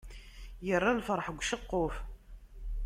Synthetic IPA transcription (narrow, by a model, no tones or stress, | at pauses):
jərˤːalfəɾˤħəɡʷʃəqːʊf